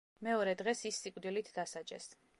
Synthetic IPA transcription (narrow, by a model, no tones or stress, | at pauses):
mɛɔɾɛd̪ʁɛsisːikʼwd̪ilit̪ʰd̪asad͡ʒʼɛ̰s